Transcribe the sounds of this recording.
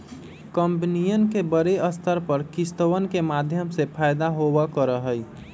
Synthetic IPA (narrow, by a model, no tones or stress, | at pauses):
kəmpnijənkebəɾeəst̪ʰəɾpəɾkist̪əʋənkemad̪ʱjəmsepʰajd̪aɦobəkəɾəɦəj